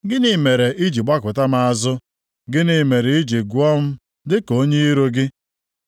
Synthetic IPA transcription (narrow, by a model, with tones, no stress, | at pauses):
ɡɪ˦nɪ˨˦me˨ɾe˨ʔi˦d͡ʒi˨ɡ͡ba˦kʊ˨ta˦ma˨a˨zʊ˦ | ɡɪ˦nɪ˨me˨ɾɪ˨i˦d͡ʒi˨ɡʷɔ˦m̩˦ | dɪ˦ko˦ɲe˦i˦ɾo˦ɡɪ˦